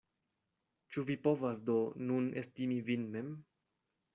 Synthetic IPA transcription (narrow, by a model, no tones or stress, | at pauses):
t͡ʃuvipo̞vasdo̞nunestimivinme̞m